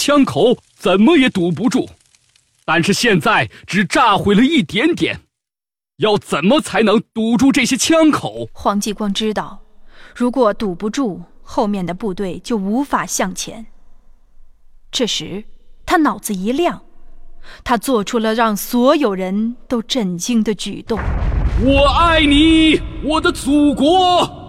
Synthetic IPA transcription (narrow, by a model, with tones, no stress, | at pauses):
t͡ɕʰjɑ˥ŋkʰo˨˧˦ʊ | t͡sə˨˩nmə˦jɛ˨˧˥t̪u˨˩p̬u˧˥ʈ͡ʂu˥˩ | t̪a˥˧nʂɻ̩˥˧ɕjɛ˥˧nt͡sa˥˩ɪʈ͡ʂɻ̩˨˩ʈ͡ʂa˥˩xwe˧˥ɪlə˧i˥˩t̪jɛ˧˥nt̪jɛ̰˨˩˦n | jɑ˥˩ʊt͡sə˨˩nmə˦t͡sʰa˧˥ɪnɤ˧˥ŋt̪u˨˩ʈ͡ʂu˥˧ʈ͡ʂɤ˥˩ɕjɛ˥t͡ɕʰjɑ˥ŋkʰo˨˩˦ʊxwɑ˧˥ŋt͡ɕi˥˩kwɑ˥ŋʈ͡ʂɻ̩˥t̪ɑ˥˩ʊɻu˧˥kwɔ˨˩t̪u˨˩pu˧˥ʈ͡ʂu˥˩xo˥˧ʊmjɛ˥˩nd̪ə˩pu˥˧t̪we˥˩ɪt͡ɕjo˥˩ʊu˧˥fa˨˩ɕjɑ˥˩ŋt͡ɕʰjɛ̰˧˥n | ʈ͡ʂʰɤ˥˩ʂɻ̩˧˥t̪ʰa˥nɑ˨˩ʊd͡zɹ̩˧i˧˥ljɑ˥˩ŋ | t̪ʰa˥t͡swɔ˥˩ʈ͡ʂʰu˧˥lə˧ɻɑ˥˩ŋswɔ˧˥jo˨˩ʊɻə˧˥nt̪o˥ʊʈ͡ʂə˥˩nt͡ɕi˥ŋd̪ə˨t͡ɕy̰˨˩t̪ʊ˥˩ŋwɔ˨˩a˥˩ɪni˨˩˦wɔ˨˩d̪ə˦t͡su˨˩kwɔ˧˥